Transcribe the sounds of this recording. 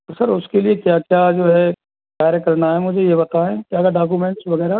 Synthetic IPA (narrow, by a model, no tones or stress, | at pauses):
ɔɾsɐɾʊskeliekjaːkjaːd͡ʒoːɦɛ | kaːɾekɐɾnaɦɛmʊd͡ʒʱejebɐt̪aɦɛ̃kjaːkaɖaːk̬umẽːɳʈsʋɐɣɛːɾa